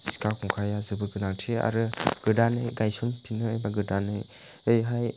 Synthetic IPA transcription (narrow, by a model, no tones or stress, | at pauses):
si̥kʰakʰɔŋkʰajazɯbɯɾɡɯnaŋtʰia̰ɾɯɡ̥ɯdanɯjɡajsɔnpʰinɯːjbaɡɯdanɯj | ɯjɦaj